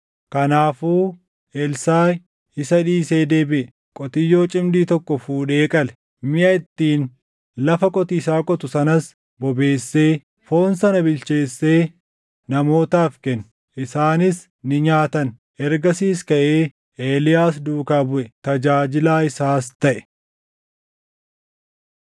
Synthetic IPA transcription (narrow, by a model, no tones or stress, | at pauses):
kɐnaːfuː | ʔɛlsaː | ɪsɐᶑiːse̞ːd̪eːbɪʔɛ | kʼɔt̪ɪjːo̞ːt͡ʃʼɪmd̪iːt̪ɔkːɔfuːᶑeːkʼɐlɛ̥ | mɪʔɐɪt̪ːiːn | lɐfɐkʼɔt̪iːsaːkʼɔt̪ʊsɐnɐs | bɔbe̞ːsːeː | fo̞ːnsɐnɐbɪlt͡ʃe̞ːsːe̞ː | nɐmo̞ːt̪aːfkɛn | ʔɪsaːnɪs | nɪɲaːt̪ɐn | ʔɛɾɡɐsiːskɐʔeː | ʔeːlɪjaːs̬d̪uːkaːbʊʔɛt̪ɐd͡ʒaːd͡ʒɪlaːɪsaːst̪ɐʔɛ̥